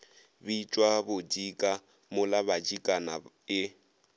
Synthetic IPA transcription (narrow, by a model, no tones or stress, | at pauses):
bit͡ʃʼwabʊdikʼa | mʊlabad͡ʒikʼana | ɪ